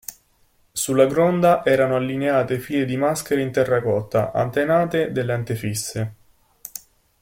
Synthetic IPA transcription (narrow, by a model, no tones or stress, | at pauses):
sulːaɡɾɔnd̪aʔɛːɾanoalːineaːt̪efiːled̪imask̟eɾeint̪ɛrːakɔt̪ːa̰ʔa̰nt̪enaːt̪ed̪elːeant̪efisːe